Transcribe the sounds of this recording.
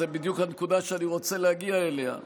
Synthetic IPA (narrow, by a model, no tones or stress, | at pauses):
ebid̪jukhankud̪aʃeaniʁo̞t͡selehaɡiaeleha̰